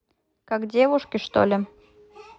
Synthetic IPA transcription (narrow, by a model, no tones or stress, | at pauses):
kakdʲeβuʃkʲiʃt̪o̰lʲɪ̆